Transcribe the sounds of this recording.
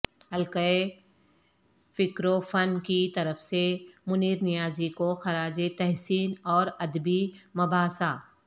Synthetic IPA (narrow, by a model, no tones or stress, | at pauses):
ɦɐlkəe | fɪkɾofɐnkit̪ɐɾəfsemʊniːɾnɪjaːzikoxɐɾaːd͡ʒet̪ɛɦsiːnɔːɾɐd̪bimɐbaːsaː